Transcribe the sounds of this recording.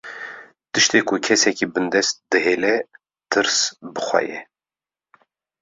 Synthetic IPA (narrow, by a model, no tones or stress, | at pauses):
t̪ɨʃt̪eːkʰʊkʰɛsɛkibɨnd̪ɛst̪̚d̪ɨɦeːlɛ | t̪ʰɨɾsbɨxʷɛ̰jɛ̰